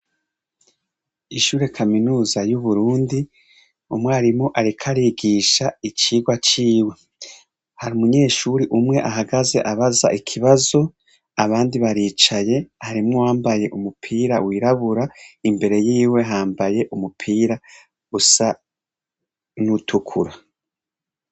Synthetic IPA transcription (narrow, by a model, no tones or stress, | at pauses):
iʃuːɾe̞kʰaminuːzajuβuɾuːndi | umŋeaɾimŋo̞ʔaɾikʰaɾiɡiːʃait͡ʃiːɡwat͡ʃiːwe̞ | haɾiumuɲe̞ːʃuɾiʔumŋe̞ʔaɦaɡaze̞̰ʔaβaza̰ʔikʰiβazo̞ | aβaːndiβaɾiːt͡ʃaje̞haɾimŋowaːmbaje̞ʔumupʰiːɾawiːɾaβuɾaimbe̞ɾe̞jiːwe̞ɦaːmbaje̞ʔumupʰiːɾa | ɡusa | nutʰukʰuɾa